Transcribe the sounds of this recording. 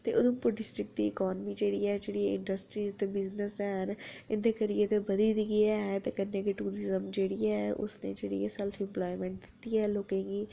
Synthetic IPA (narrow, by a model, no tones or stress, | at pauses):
t̪eːʔʊd̪õːpʊɖɪsʈɾɪk̚d̪iːɪkɔːnmiːd͡ʒeːɽiɛːd͡ʒeːɽieɪɳɖəsʈɾiːt̪ebɪznəsɛːɦənɪnd̪ekəɾijet̪ebəd̪iːd̪iɡiaɛt̪eːkənːeːkiʈuːɾɪzəmd͡ʒeːɽiɛʔʊ̰snḛːd͡ʒeːɽḭḛːsɛlfʰɪ̃mplɔːimẽːɳʈ̚d̪ɪt̪ːiːɛːloːkẽːɡiː